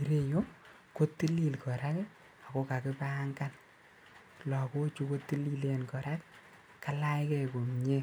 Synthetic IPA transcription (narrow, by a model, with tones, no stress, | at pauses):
i˨ɾe˦jo˦ | ko˦tːi˦li˨lkɔ˨ɾa˦k | a˨ko˦ka˨kɪ˦pa˦ŋka˦n | lɔ˨ko˦t͡ʃu˦ko˦tːi˦li˦le˨nkɔ˨ɾa˦k | ka˦la˦jkɛ˨ko˨mɲe˦